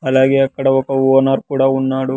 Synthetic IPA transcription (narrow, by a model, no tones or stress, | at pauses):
ɐlaːɡeɐkːɐɽɐɔkːɐuɔnaːɾkuːɽaunːaːɽu